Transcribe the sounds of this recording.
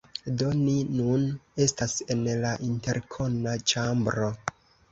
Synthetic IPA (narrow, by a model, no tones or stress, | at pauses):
do̞ninune̞stase̞nlaʔinte̞ɾkʰo̞nat͡ʃambɾo̞